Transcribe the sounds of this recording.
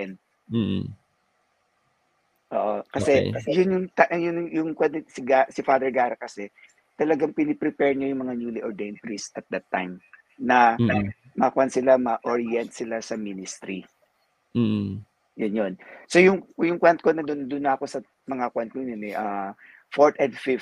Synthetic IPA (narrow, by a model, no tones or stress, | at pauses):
ɛn | ʔo̰ːʔokɐsɛjʊnjʊŋt̪aʔjʊnjʊŋkwɐt̪sɪɡasɪfad̪ɛɹɡaːɾɐkɐsɛ | t̪ɐlɐɡaŋpɪnɛpɾɪpɛɹɲojʊŋmɐŋanulɪʔoɹd̪ejnt̪ɹisɐt̪̚d̪ɐt̪ːa̰jm | nɐ | mɐkwɐnt̪sɪlamɐʔoɹɪɛnt̪̚sɪlasɐminɪst̪ɾi | jʊnjonso̞jʊŋjʊŋkwant̪̚konɐd̪ʊnd̪ʊnːɐːko̞sɐ | mɐŋakwant̪̚koɲonɛʔɐ | foɹt̪ɛnd̪fift̪